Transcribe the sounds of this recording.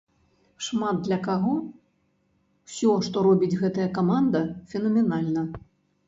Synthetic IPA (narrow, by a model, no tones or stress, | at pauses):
ʂmad̪ːlʲɐkaɣɔ | wsʲɔʂt̪ɔɾɔbʲid͡zʲɣɛt̪ɐjɐkamand̪ɐfʲɛnɐmʲɛnalʲnɐ